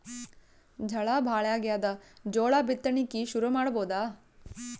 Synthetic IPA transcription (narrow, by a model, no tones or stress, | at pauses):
d͡ʒʱɐɭabʱaːɭjaːɡijaːd̪ɐd͡ʒɔːɭaːbʱit̪ːɐɳikːiʃuɾumaːɽɐboːd̪aː